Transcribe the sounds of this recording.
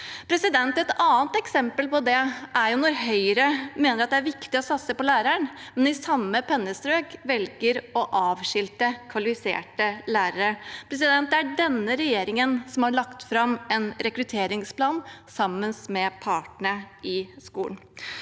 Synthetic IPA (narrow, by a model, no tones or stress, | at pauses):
pʰɾɛsɪd̪ɛnt̪ɛt̪ɑːnt̪ɛksɛmpəlpɔd̪ɛæɾjʊnɔɾɦœʏəɾəmeːnəɾɑt̪̚d̪ɛæɾʋɪkt̪ɪɔsɑt̪səpɔlæːɾəɳmɛnɪsɑmːəpʰɛnːəst̪ɾøːkʋɛlɡəɾɔʔɑːʋʂɪlt̪əkʰʋɑlɪfɪsḛːʈəlæːɾəɾəpʰɾɛsɪd̪ɛnt̪̚d̪ɛæɖɛnːəɾɛjeːɾɪŋənsɔmhɑɭɑkt̪fɾɑmɛnɾɛkɾʉt̪ʰeːɾɪŋspʰlɑːnsɑmːənsmɛpʰɑːʈɳə | ɪskuːln̩